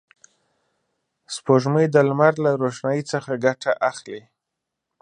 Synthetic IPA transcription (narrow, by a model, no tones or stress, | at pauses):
spoʒməjd̪əlmaɾlaɾoʃnajit͡səxaɡaʈʰaʔaxle